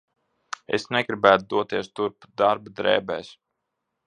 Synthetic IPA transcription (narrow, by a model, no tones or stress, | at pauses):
ḛsnɛɡɾibæːt̪ud̪uɔt̪iɛst̪uɾpud̪aɾbud̪ɾɛːbɛːs